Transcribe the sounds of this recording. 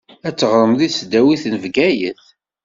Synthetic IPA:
æt͡sːəʁɾˤəmðisd̪æwiθnəvɡæjə̰θ

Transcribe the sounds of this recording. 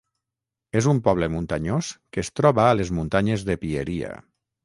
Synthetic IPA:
ezumpɔβ̞ləmunt̪aɲoskəest̪ɾɔβaːlezmunt̪aɲezðepieɾia̰

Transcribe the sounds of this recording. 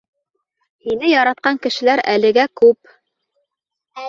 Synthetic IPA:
hinɘjɑɾɑt̪̚qɑŋkɘ̆ʃɘ̆læɾælɘ̆ɡækʉp̚

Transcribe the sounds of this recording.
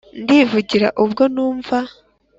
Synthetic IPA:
ndivuɟiɾa̰ʔuβɡo̞nuːɱva

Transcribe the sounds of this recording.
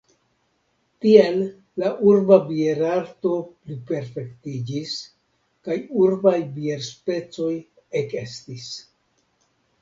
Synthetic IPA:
tielː | aʔuɾbabieɾaɾto̞plipe̞ɾfe̞ktid͡ʒis | kajuɾbajbie̞ɾspe̞t͡so̞j | eke̞stis

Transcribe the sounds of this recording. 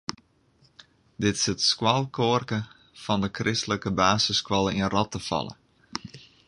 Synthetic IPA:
dɪtɪ̥sətskwɑlˠkʰoərkə | fɔndəkrʔɪstələkəbaːsəskwɔlˠəiənrɔtəfɑ̰lˠə̰

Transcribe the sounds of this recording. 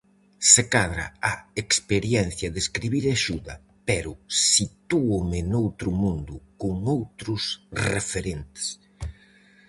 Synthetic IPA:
sekaðɾɐ̰aekspeɾjɛn̟θjɐðeskɾiβiɾaʃuðɐ | pɛɾʊsit̪uomɪnowt̪ɾʊmũnd̪ʊkʊŋowt̪ɾʊsrefeɾent̪ɪ̥s

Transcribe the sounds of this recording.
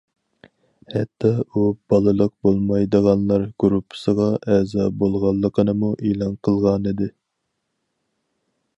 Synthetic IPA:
hɛt̪ʰːɑub̥ɑlˠɨlˠəq̚bolˠmɑjd̪əʁɑnlˠɑɾɡ̥uɾupʰːɨ̥səʁɑʔɛzɑbolˠʁɑlˠːəqʰənɨmuʔelˠɑnqʰəlˠʁɑnɨd̪ɨ

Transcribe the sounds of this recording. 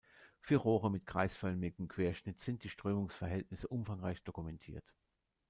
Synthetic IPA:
fyːɐʁoːʁəmɪtɡ̥ʁ̥a̰ɪsfœlmɪɡm̩kv̥eːɐʃnɪtz̥ɪnt̚d̥iːʃtʁ̥øːmʊŋsfɛɐɦɛltnɪsəʔʊmfaŋʁaɪçd̥okumɛntʰḭːɐt

